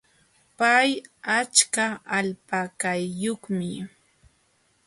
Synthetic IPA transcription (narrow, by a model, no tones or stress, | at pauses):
pajat͡ʃkaaʎpakajːoχmɪ